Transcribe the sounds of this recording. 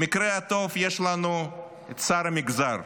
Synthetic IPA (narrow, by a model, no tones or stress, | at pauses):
mikɾeat̪o̞vjeʃlanu | saɾamiɡzaɾ